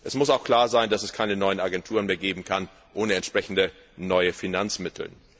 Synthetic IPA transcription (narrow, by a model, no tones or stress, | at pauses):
ʔɛsmʊsaʊxkʰl̥aːɐzaɪndasɛskʰaɪnənɔʏənaɡɛntʰuːʁənmeːɐɡeːbm̩kʰan | ʔoːnəɛntʃpʁ̥ɛçn̩də | nɔʏəfinant͡smɪtʰl̩